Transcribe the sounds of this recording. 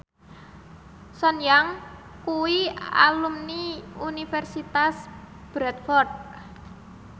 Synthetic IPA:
sɔnjaŋ | kuwia̰lumniunifɛrsit̪as | b̥ɾɛt̪̚fɔrt̪̚

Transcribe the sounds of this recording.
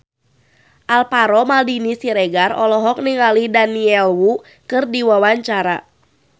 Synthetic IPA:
ʔalpaɾɔmaldinisiɾɛɡarɔlɔɦɔk̚niŋalidaniɛlwu | kɨrdiwawaɲt͡ʃaɾa

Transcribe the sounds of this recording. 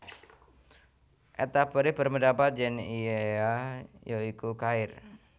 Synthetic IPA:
ʔɛt̪apəɾɪbərməndapat̪̚d͡ʒɛnieajoikukaɪr

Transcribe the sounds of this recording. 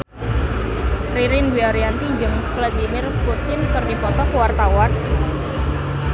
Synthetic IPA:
riɾɪnbiaɾiant̪id͡ʒəŋklad̪imɪrput̪ɪnkərɡikɔt̪ɔkəwart̪awan

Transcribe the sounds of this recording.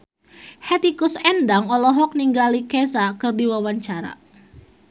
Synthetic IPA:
hɛt̪ikusɛndaŋɔlɔɦɔk̚niŋɡalikɛsakɨrdiwawaɲt͡ʃaɾa̰

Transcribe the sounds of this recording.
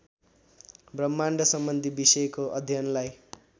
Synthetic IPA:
brʌmːaɳɖʱʌsʌmbʌnd̪ʱibisʌjkoʔʌd̪ʱjʌnlaj

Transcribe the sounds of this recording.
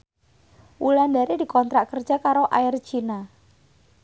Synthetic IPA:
ʔuland̪aɾedi̤kɔnt̪ɾaʔkərd̥ʒ̥a̤kaɾoʔaɪrt͡ʃina

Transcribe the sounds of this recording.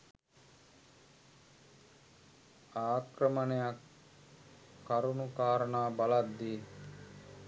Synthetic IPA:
aːkrəmənejak | aɾunukaːɾənaːbalad̪ːiː

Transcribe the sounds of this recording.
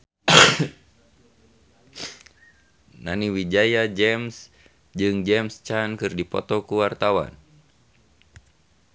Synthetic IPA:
na̰niwid͡ʒajad͡ʒɛms | d͡ʒɨŋd͡ʒɛmst͡ʃankɨrdipɔ̰t̪ɔkuwart̪awa̰n

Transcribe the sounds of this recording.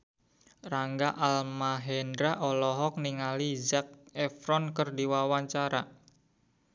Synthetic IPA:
raŋɡaʔalmaɦɛndɾaʔɔlɔɦɔk̚niŋalizak̚ɛfɾɔnkərdiwawaɲt͡ʃaɾa

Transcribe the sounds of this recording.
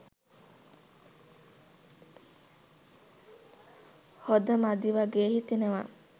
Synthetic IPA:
hod̪əmad̪iʋaɡeːhit̪ineʋa

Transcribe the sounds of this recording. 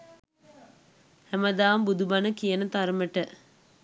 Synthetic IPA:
hæməd̪aːmbud̪ubɐnəkijənət̪aɾməʈə

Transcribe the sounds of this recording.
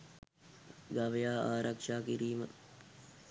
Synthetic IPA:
ɡaʋejaːaːɾɐkʂaːkiɾiːmə

